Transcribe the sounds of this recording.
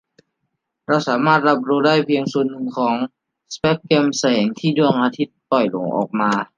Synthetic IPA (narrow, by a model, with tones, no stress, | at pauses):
ɾa˧wsaː˩˦maː˥˩t̪̚ɾa˧˥p̬̚ɾuː˧daː˥˩jpʰi˧əŋsu˨˩ənːɯ˨˩ŋkʰɔː˩˦ŋ | spɛ˦˥p̚keː˧msa˧ɛː˩˦ŋt̪ʰiː˥˩du˥˩əŋʔaː˧t̪ʰi˦˥t̪̚pɔ˨˩jlo̰˩˦ŋʔɔ̰ː˨˩k̚maː˧